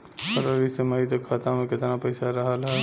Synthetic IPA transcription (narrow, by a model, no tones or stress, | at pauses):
səɾoːɾiseməit̪ekʰːaːt̪ãmẽkɪt̪napɐɪsaɾɐɦalaɛ